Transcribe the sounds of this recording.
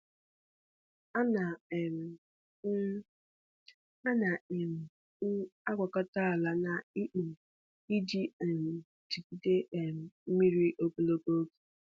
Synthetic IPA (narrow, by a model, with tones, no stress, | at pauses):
a˦na˨m̩˨˦ | a˦na˨i˨m̩˨˦ | a˦ɡʷa˨ka˦ta˦a˨la˦na˨i˦ʔ̩˨m̩˨ | i˦d͡ʒi˦e˨m̩˨ | t͡ʃi˨pi˨te˦ʔe˨m̩˨m̩˦mi˦ɾi˦ʔo˦ko˨lo˦ko˦o˦ke̥˨